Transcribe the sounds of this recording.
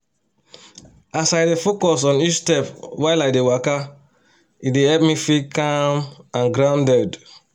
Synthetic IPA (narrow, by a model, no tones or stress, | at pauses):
asaɪdefokɔsɔ̃nit͡ʃtɛpwaɪlaɪdewaka | idehɛp̚mĩfikãmãnɡɾãʊ̃ndɛd